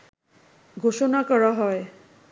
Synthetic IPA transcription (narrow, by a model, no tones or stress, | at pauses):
ɡʱoʃonakɔɾaɦɔe